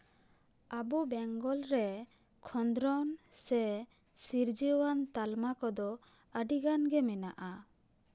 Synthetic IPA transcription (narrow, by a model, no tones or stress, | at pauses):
abubɛŋɡɔlɾɛ | kʰɔnd̪ɾɔnsɛ | siɾd͡ʒiwant̪almakɔd̪ɔ | əɖiɡanɡɛmɛnaʔa